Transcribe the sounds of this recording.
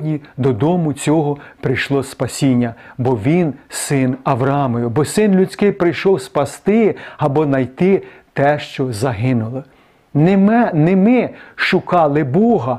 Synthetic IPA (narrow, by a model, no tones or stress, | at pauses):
dʲnʲid̪ɔd̪ɔmʊt͡sʲɔɦɔpɾɪjʃlˠɔspɐsʲinʲːɐbɔʋʲinsɪnɐʋɾɐɑmɔjʊbɔsɪnlʲut͡sʲkɪjpɾɪjʃɔwspɐst̪ɪɐbɔnɐjt̪ɪt̪ɛʃt͡ʃɔzɐɦɪnʊlˠɔ | nemɪʃʊkɑlˠɪbɔɦɐ